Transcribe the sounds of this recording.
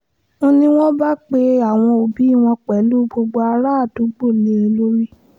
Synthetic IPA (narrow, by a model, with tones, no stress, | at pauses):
o˦nĩ˧w̃ɔ̃˦ba˦k͡pe˧a˦˨w̃ɔ̃˧o˨bi˨˦i˦˨w̃ɔ̃˧k͡pɛ˨˦lu˦ɡ͡bo˧ɡ͡bo˧a˧ɾa˦˨tu˨˦ɡ͡bo˦˨le˦e˧lo˦ɾi˦